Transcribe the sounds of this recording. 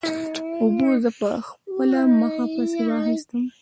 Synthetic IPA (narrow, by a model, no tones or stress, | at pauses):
obozəpəxpəlaməxapəseɾɑxist̪əm